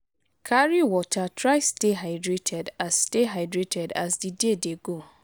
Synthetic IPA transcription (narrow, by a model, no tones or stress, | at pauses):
kʰaɾiwɔtʰatʰɾaɪsteɦaɪdɾetʰɛdassteɦaɪdɾetʰɛda̰sdidedeɡo